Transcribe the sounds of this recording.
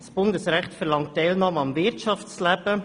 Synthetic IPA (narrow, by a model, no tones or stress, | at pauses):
sb̥ʊndəsɾæχtfəɾlɑŋt̚ːɛlnɑmɑmvɪɾtt͡ʃɑft͡slæb̥ə